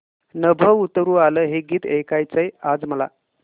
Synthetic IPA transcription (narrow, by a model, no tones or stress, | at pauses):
nəbʱəʋut̪ɾuːaləɦeɡiːt̪ekajt͡səjad͡zməla̰